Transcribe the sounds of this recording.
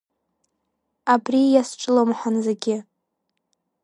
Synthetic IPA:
abrijasʈ͡ʂʼɨlomħʷanzeɡʲɪ

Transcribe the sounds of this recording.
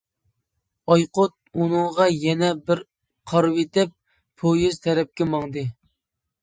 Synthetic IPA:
ɑjqot̪̚unɨŋʁɑjɛnɛbɪɾ | qʰɑɾwet̪ɪp̚ːʰ | ojyz̥t̪ʰɛɾɛp̚kʲɛmɑŋd̪ɨ

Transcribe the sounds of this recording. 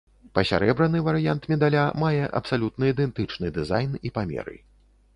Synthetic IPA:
pɐsʲa̰ɾɛbɾɐnɨvɐɾɨjant̪mʲɛd̪alʲamajɛʔɐ̰psalʲut̪nɨid̪ɛnt̪ɨt͡ʂnɨd̪ɨzajnipamʲɛ̰ɾɨ̰

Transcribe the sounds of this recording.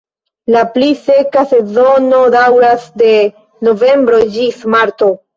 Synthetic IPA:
laplise̞kase̞zo̞no̞dawɾasde̞ | no̞ve̞mbɾo̞d͡ʒismaɾto̞

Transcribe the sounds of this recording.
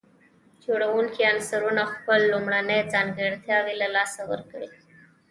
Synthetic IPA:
d͡ʒoɽawuŋkiansaɾunaxpəlːumɽanəjd͡zɑŋɡəɽt̪jɑwilalɑsawə̰ɾkɽi

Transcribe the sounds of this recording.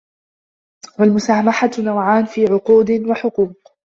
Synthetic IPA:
walmʊsahmaħatnawʕaːnfiːʕʊquːd̪ɪwaħʊquːq

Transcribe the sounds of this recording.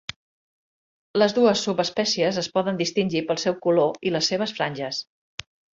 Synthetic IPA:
ləzðuəsːupəspɛsiəzəspɔðənd̪ist̪inʲʒipəlˠsɛwkuloiləsːeβ̞əsfɾanʲʒəs

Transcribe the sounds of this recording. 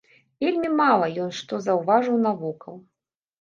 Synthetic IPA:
vʲelʲmʲimalˠɐjɔnʂt̪ɔzɐwvaʐɨwnavukɐw

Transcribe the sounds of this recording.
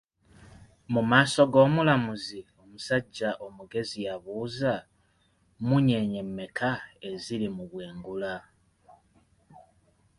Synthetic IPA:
mumaːso̞ɡo̞ːmulamuzio̞musaɟːaʔo̞muɡe̞zijaβuːza | muɲe̞ɲe̞mːe̞kʰae̞zilimuβweːŋɡula

